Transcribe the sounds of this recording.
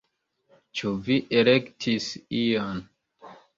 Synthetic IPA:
t͡ʃuviʔelektʰisijan

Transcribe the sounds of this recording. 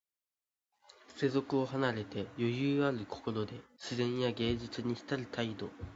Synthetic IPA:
se̞zo̞kɯ̟o̞ɦanaɾe̞t̪e̞jo̞jɯːaɾɯ̟kʰo̞̥ko̞ɾo̞d̪e̞ɕizẽ̞ɰ̃jaɡe̞ːd͡ʑit͡sɨɲ̟içi̥t̪aɾɯ̟t̪ʰaid̪o̞

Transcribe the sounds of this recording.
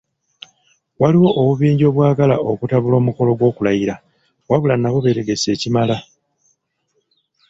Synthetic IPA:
waliwo̞ʔːβuβiːɲɟo̞βwaːɡalaʔo̞kutaβulo̞ːmuko̞lo̞ɡwo̞ːkulajiɾa | waβulanːaβo̞βe̞ɾeɡe̞se̞ːcimala

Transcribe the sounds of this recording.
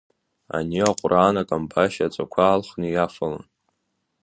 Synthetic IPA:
a̰niaqʷʼraːnakʼambaʃat͡sʷʼakʷʰaːlχnijafala̰n

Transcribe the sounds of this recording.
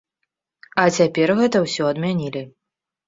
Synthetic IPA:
ɐt͡sʲapʲɛrɣɛt̪ɐwsʲɔɐd̪mʲanʲilʲi

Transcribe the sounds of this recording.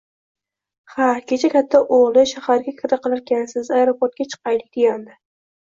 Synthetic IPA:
hakʲʰe̞t͡ʃʰakʲʰat̪ʰːaʔoʁlˠɪʃahaɾɡʲakʲʰɪɾaqʰɨlˠaɾkʲʰansɪzajɾopʰoɾt̪̚kʲat͡ʃʰɨ̥qɑjlɪk̚ʲd̪̥eɡʲand̪ɪ

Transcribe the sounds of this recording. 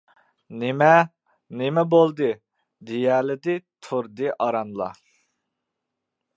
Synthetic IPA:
nemɛ | nemɛbolˠd̪ɨ | d̪ejɛlɪd̪ɪt̪ʰuɾd̪ɨʔɑɾɑnlˠɑ̰

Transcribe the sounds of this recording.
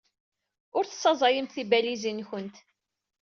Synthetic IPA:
ʊɾθsˤːɑzˤɑjimθibælizinçənt̪

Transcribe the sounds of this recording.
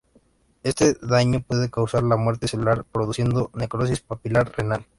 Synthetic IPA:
e̞st̪e̞ðaɲopwe̞ðe̞kawsaɾlamwe̞ɾt̪eselulaɾpɾo̞ðusje̞nd̪o̞ne̞kɾo̞s̬ispopilaɾre̞nal

